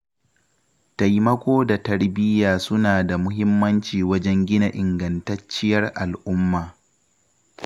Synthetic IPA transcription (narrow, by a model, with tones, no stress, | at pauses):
ta˨jmɐ˦kʷoː˦da˨tɐ˦rbɪ˦jaː˨sʊ˦naː˨da˨mʊ˦ɦɪ˦mːɐ˦nt͡ʃiː˨wɐ˦d͡ʒɛ˦ŋɡʲɪ˦na˨ʔɪ˨ŋɡɐ˨ntɐ˦t͡ʃːɪ˦jɐ˦rʔa˨lʔʊ˦mːaː˨